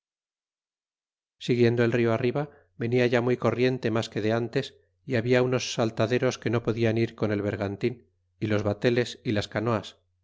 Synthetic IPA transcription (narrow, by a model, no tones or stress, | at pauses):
siɣje̞nd̪o̞e̞lrio̞ariβa | βe̞niaʝamujko̞rje̞nt̪e̞maske̞ðe̞ant̪e̞s | iaβiauno̞sːalt̪aðe̞ɾo̞ske̞no̞po̞ðianiɾko̞ne̞lβ̞e̞ɾɣant̪in | ilo̞zβat̪e̞le̞silaskano̞as